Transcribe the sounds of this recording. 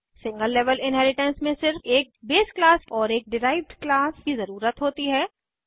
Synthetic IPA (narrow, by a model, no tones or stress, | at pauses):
sɪ̃ŋɡəlːeːʋəlɪ̃nɦɛːlɪʈə̃nsmẽsɪɾfeːk̚beːsklaːsɔːɾeːk̚ɖɪɾaːɪʋɖklaːskizɐɾuːɾət̪ɦoːt̪iɦɛː